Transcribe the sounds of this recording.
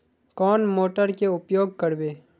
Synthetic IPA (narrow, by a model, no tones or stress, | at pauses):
kɔːnmoːʈəɾkeʊpjoːɡ̚kəɽbeː